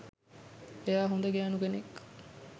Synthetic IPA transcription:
eaːɦund̪əɡæːnuɡenek

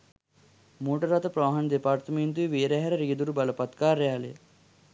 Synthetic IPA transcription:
moːʈɐɾɐt̪ɐpɾɐːɦɐnd̪epaːɾt̪ɐment̪uiʋeːɾeɦɐɾɐɾiːd̪uɾubɐlɐpɐt̪kaːɾjaːlḛ

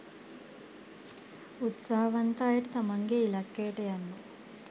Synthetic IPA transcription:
ut̪saɦɐʋɐnt̪aːjiʈt̪ɐmɐŋɡeilɐkːeːʈejɐnːu

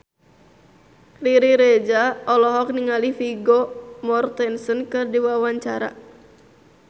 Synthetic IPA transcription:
riɾiɾed͡ʒaɔlɔɦɔk̚niŋalifiɡomɔrt̪ɛnsənkɨrdiwawaɲt͡ʃaɾa̰

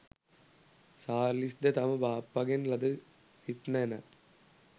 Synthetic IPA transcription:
saːlisd̪et̪ɐmɐbaːpːɐɡenlɐd̪ɯ | sipnɐnɐ

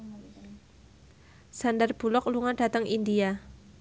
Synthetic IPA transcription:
sandarb̥ṳlɔk̚luŋand̥a̤t̪əŋʔindia

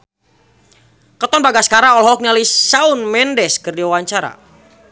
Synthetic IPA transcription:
kət̪ɔnbaɡaskaɾaŋɔlɦɔk̚nialisaunmɛndɛskərdiwawaɲt͡ʃaɾa̰

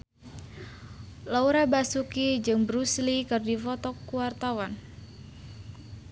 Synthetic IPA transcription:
lauɾabasukid͡ʒɨŋbɾuslikɨrdifɔt̪ɔkːuwart̪awan

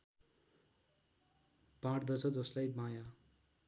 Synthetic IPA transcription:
bãɽd̪ʌt͡sʰʌd͡zʌslajmaja

